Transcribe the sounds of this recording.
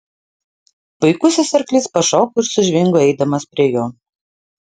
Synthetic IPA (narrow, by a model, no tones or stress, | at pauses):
bɐɪkʊsʲɪsɐɾklʲɪspɐʃoːkoːɪɾsʊʒʲʋʲɪŋɡoɛɪd̪ɐmɐspʲɾʲiɛjoː